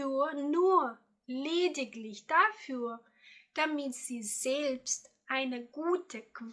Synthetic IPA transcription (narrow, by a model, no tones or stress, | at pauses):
nuːɐ | leːdɪklɪçd̥afyːɐ | d̥amɪtz̥iːz̥ɛlpstʔaɪnəɡuːtʰəkv